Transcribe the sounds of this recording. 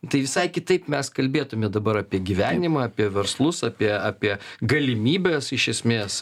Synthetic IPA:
t̪ɐɪʋʲɪsɐɪkʲɪt̪ɐɪpmʲɛskɐlʲbʲeːt̪ʊmʲɛd̪ɐbɐɾɐːpʲiɛɡʲiʋʲæːnʲɪmɐːpʲiɛʋʲɛɾslˠʊsɑːpʲiɛaːpʲiɛɡɐlʲɪmʲiːbʲeːsɪʃʲɛsʲmʲeːs

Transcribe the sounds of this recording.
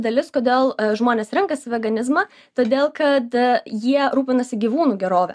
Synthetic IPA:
d̪ɐlʲɪskoːd̪ʲeːlˠʒmoːnʲeːsɾʲɪŋkɐsʲɪʋʲɛɡɐnʲɪzmɑ | t̪oːd̪ʲeːlˠkɐt̪jiɛɾuːpʲɪnɐsʲɪɡʲiːʋuːnuːɡʲɛɾoːʋʲɛ̰

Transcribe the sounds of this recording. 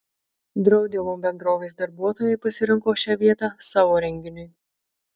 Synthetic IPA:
d̪ɾɐʊd̪ʲɪʋoːmbʲɛnd̪ɾoːʋʲesd̪ɐɾbuɔt̪oːjɛɪpɐsʲɪɾʲɪŋkoːʃʲæːʋʲiɛt̪ɑsɑːʋoːɾʲɛŋʲɡʲɪnʲʊɪ

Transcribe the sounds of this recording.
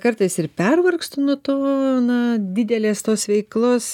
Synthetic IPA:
kɐrt̪ɐɪsɪrpʲɛrʋɐrkst̪ʊnʊːt̪oːnɐd̪ʲɪd̪ʲɛlʲeːst̪oːsʋʲɛɪklˠoːs

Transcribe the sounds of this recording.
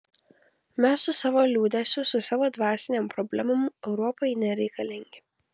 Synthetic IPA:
mʲɛsːʊsɑːʋolʲuːd̪ʲɛsʲʊsʊsɑːʋoːd̪ʋɑːsʲɪnʲɛmpɾɔbʲlʲɛmʊmɛʊɾɔpɔɪnʲɛɾʲɛɪkɐlʲɪŋʲɡʲɪ

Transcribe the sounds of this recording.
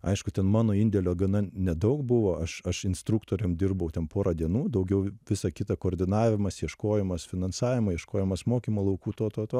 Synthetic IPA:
ɐ̰ɪʃkʊt̪ʲɛnmɑːnoːɪnʲd̪ʲɛlʲoːɡɐnɐnʲɛd̪ɐʊkbʊʋoːʔɐʃɐʃɪnst̪ɾʊkt̪oːɾʲɛmd̪ʲɪrbɐʊt̪ʲɛnpoːɾɐd̪ʲiɛnuːd̪ɐʊɡʲɛʊʋʲɪsɐkʲɪt̪ɐkoːɾʲd̪ʲɪnɑːʋʲɪmɐsjɛʃkoːjɛmɐsfʲɪnɐnsɑːʋʲɪmɐːjɛʃkoːjɛmɐsmoːkʲiːmoːlˠɐʊkuːt̪oːt̪oːt̪oː

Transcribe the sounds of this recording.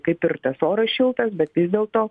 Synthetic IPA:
kɐɪpɪɾt̪ɐsoːɾɐsʃʲɪlˠt̪ɐsbʲɛt̪ʋʲɪzʲd̪ʲeːlˠt̪oː

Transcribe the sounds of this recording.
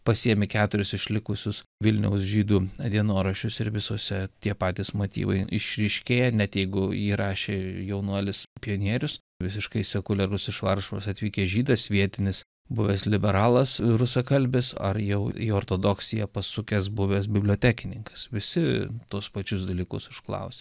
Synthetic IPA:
pɐsʲiɛmʲɪkʲæːt̪ʊɾʲʊsɪʃʲlʲɪkʊsʲʊsʋʲɪlʲnʲɛ̰ʊsʒʲiːd̪uːɐd̪ʲiɛnoːɾɐʃʲʊsɪɾʋʲɪsoːsʲɛt̪ʲiɛpɑːt̪ʲiːsmoːt̪ʲḭːʋɐ̰ɪɪ̰ʃʲɾʲɪʃʲkʲeːjɛnʲɛt̪jɛɪɡʊiːɾɑːʃʲeːjɛʊnuɔlʲɪspʲɪjonʲiɛɾʲʊs | ʋʲɪs̬ʲɪʃkɐɪsʲɛkʊlʲɛɾʊsɪʃʋɐrʃo̰sɐt̪ʲʋʲiːkʲeːʒʲiːd̪ɐsʋʲiɛt̪ʲɪnʲɪs | bʊʋʲɛslʲɪbʲɛɾɑːlˠɐsɾʊsɐkɐlʲbʲɪsɐ̰rjɛʊḭoːrt̪oːd̪oːksʲɪjɛpɐsʊkʲɛs̬bʊʋʲɛːsbʲɪbʲlʲoːt̪ʲæːkʲɪnʲɪŋkɐ̥sʋʲɪsʲɪt̪uɔspɐt͡ʃʲʊsd̪ɐlʲiːkʊ̰sɪʃklˠɐ̰ʊsʲɛ

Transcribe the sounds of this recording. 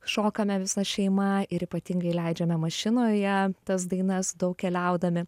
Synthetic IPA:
ʃoːkɐmʲɛʋʲɪsɐʃʲɛɪmɐɪɾiːpɐt̪ʲɪŋɡɐɪlʲɛɪd͡ʒʲɛmʲɛmɐʃʲɪnoːjɛt̪ɐs̬d̪ɐɪnɐsd̪ɐʊk̚kʲɛlʲɛʊd̪ɐmʲɪ

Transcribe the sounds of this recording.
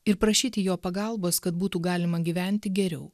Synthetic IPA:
ɪɾpɾɐʃʲiːt̪ʲɪjoːpɐɡɐlˠboːskɐt̪buːt̪uːɡɑːlʲɪmɐɡʲiʋʲæˑnʲt̪ʲɪɡʲɛɾʲɛʊ

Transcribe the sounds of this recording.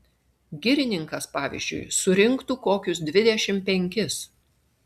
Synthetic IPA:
ɡʲɪɾʲɪnʲɪŋkɐspɑːʋʲɪ̰ʒʲd͡ʒʲʊ̰ɪsʊɾʲɪŋˑkt̪uːkoːkʲʊsd̪ʲʋʲɪd̪ʲɛʃʲɪmpʲɛŋʲkʲɪs

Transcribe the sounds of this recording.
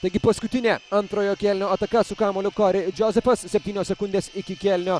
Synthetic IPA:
t̪ɛɡipɔskut̪inʲɛɐnt̪ɾɔjɔkʲɛlnʲɔɐt̪ɐkasukamɔlukɔɾid͡ʒɔzɛfɐssɛp̚t̪inʲɔsɛkund̪ɛsikʲikʲɛlnʲɔ

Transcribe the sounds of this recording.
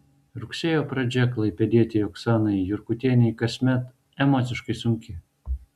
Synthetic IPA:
ɾʊksʲeːjoːpɾɐd͡ʒʲɛklˠɐɪpʲɛd̪ʲiɛt̪ʲɪjɔksɑːnɐɪjʊɾkʊt̪ʲiɛnʲɛɪkɐsʲmʲɛt̪ | ɛmɔːt̪sʲɪʃkɐɪsʊŋʲkʲɪ

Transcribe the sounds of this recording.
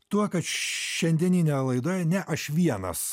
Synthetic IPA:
t̪uɔkɐt̪ʃʲɛnʲd̪ʲiɛnʲiːnʲɛlˠɐɪd̪oːjɛnʲɛʔɐʃʋʲiɛnɐ̰s

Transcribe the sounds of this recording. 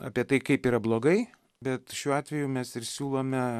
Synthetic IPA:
ɑ̰ːpʲiɛt̪ɐɪkɐɪpiːɾɐblˠoːɡɐɪ | bʲɛt̪ʃʲuːɑːt̪ʲʋʲɛjuːmʲɛsɪɾsʲuːlˠoːmʲɛ

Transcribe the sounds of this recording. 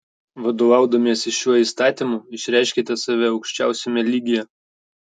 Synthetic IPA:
ʋɐd̪oːʋɑˑʊd̪ɐmʲiɛsɪʃʲuɔiːˑst̪ɑːt̪ʲiˑmuɪʃʲɾʲæˑɪʃʲkʲit̪ʲɛsɑʋʲɛɒʊkʃʲt͡ʃʲæˑʊsʲɛmʲɛlʲiːɡʲɪjɛ

